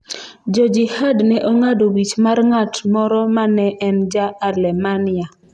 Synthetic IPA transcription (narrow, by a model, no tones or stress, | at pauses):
d͡ʒɔd͡ʒɪhadnɛʔoŋadowit͡ʃmarŋatmɔɾɔmanɛʔɛnd͡ʒaːlɛmanɪa